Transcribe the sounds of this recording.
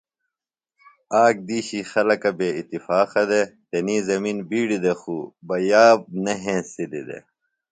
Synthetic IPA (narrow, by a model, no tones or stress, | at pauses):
aːk̚d̪iːɕixɐlɐkɐbeːit̪ːifaːqɐd̪et̪eniːzɐminbiːɽid̪exuːbɐjaːb̚nɐɦẽːsid̪id̪ḛ